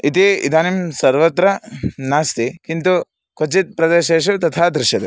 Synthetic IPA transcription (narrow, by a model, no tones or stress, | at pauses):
it̪iḭd̪aːnimsɐɾʋɐt̪ɾɐnaːst̪ikint̪u | kot͡ʃit̪̚pɾɐd̪eʃeːʃ̬ut̪ɐt̪ʰaːd̪ɾɪʃjɐd̪e